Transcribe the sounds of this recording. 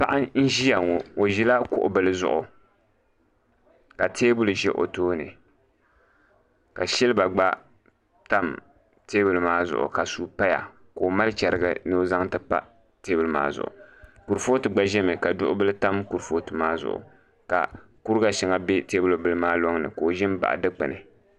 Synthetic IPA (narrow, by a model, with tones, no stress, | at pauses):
pa˦ʔa˦n̩˦ʒi˦ja˨ŋo˨o˨ʒi˦la˦kʊ̰˨ʔʊ̰˨bɨ˨lɨ˦zʊ̰˦ʔʊ˨ | ka˨tʰeː˦bʊ˦lu˨ʒɛ˦ʔo̰˨toː˦nɨ̰˨ | ka˨ʃɛ˦lɨ˦ba˨ɡ͡ba˦ | ta˦m | teː˦bɨ˨lɨ˨maː˦zʊ̰˨ʔʊ̰˨ka˨su˨pa˦ja̰˨ | ko˨ma˦lt͡ʃɛ˨ɾɨ˦˨ɡɨ̰˨no˦za˦ŋtɨ˦pa̰˦ | teː˦bɨ˨lɨ˦ma̰ː˦zʊ̰˨ʔʊ̰˨ku˨ɾfo˦tɨ˨ɡ͡ba˦ʒɛ˦mɨ˨ka˨dʊ˦ʔʊ˦bɨ˦lɨ˦ta˦mku˨ɾfo˦tɨ˨maː˦zʊ̰˨ʔʊ̰˨ | ka̰˨ | ku˦ɾɡa˨ʃɪ˨ŋa˨be˦teː˦bʊ˨lbɨ˨lɨ˦maː˦lo˦ŋnɨ̰˨koː˨ʒɪ˦m˦ba̰˨ʔdɨ˦k͡pɨ̰˨nɨ˨